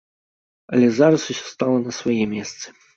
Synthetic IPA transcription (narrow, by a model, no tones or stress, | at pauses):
ɐ̰lʲɛzaɾɐsusʲɔ̥st̪alˠɐnɐsvɐjɛmʲɛst̪sɨ̥